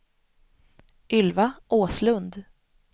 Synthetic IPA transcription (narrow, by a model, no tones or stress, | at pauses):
ʔʏlvaʔoːslɵnd̪